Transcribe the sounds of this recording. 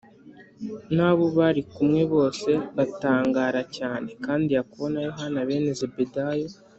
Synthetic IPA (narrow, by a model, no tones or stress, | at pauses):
naːβoβaɾikumŋe̞βo̞ːse̞βataːŋɡaːɾacaːne̞kaːndijakuβo̞najo̞ɦanaβe̞ːnezebedajo